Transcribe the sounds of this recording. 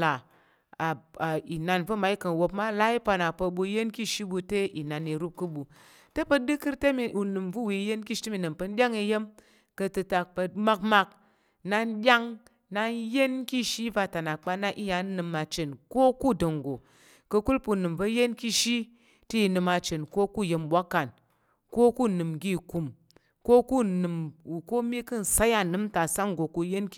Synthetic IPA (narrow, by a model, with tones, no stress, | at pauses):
la˨ | a˨a˨i˨na˧nvə˦ma˨i˦kə˨n˨wo˧pma˦la˦i˦pa˧na˨pə˧ɓu˧˦je˦nki˦˨ʃi˦ɓu˧te˦ʔi˨na˨ni˧ɾu˦p̚kɨ˦ɓu˨ | te˦pə˧dɨ˦kɨ˦ɾte˦mi˨ʔu˨nɨ˨mvu˦wi˨˦je˦nki˦ʃti˦mi˨nɨ˨pə˧n˦ɗʲa˦ŋi˧je˦m | kə˧tɨ˧ta˧k̚pə˧ma˦kma˧k̚ | na˧nɗʲa˦ŋ | na˧˦je˦nki˦ʃi˦va˧ta˨na˨k͡pa˧na˧ʔi˦ja˨˦nɨ˧ma˧t͡ʃe˨nko˦ku˦do˨ŋ˨ɡo˨ | kə˧ku˦lpu˧˨nɨ˨mvə˧˦je˦nki˦ʃi˦ | ti˦i˧nɨ˧ma˧t͡ʃe˨nko˦ku˦˨je˧mɓʷa˦kːa˨n | ko˦ku˦nɨ˨mɡi˦˨ku˨m | ko˦ku˦nɨ˨mu˨ko˦mʲi˦kɨ˦n̩˨sa˦ja˧˨nɨ˦m˦ta˨sa˦ŋ˨ɡo˨ku˧˦je˦n˦